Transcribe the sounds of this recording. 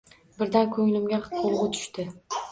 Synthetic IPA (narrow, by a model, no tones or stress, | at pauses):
bɪɾd̪ankʰɵŋlɪmɡʲaqʰolˠʁʊt̪ʰʊ̥ʃt̪ɪ